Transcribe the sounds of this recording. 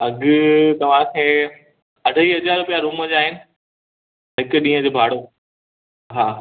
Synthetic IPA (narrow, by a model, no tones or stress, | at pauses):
ɐɠʊt̪ɐʋ̤ãkʰeː | ɐɖʱəiːɦɐd͡ʑaːɾʊpijaɾuːməd͡ʑaːɦɪnɪ̆ | ɦɪkʊɗĩːɦə̃d͡ʑoːbʱaːɽoː | ɦaː